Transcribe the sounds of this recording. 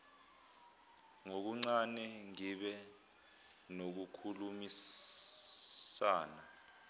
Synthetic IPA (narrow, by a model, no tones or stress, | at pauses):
ŋok̬uŋ͡ǀanɛŋiɓɛ | nok̬ukʰulumis | aːna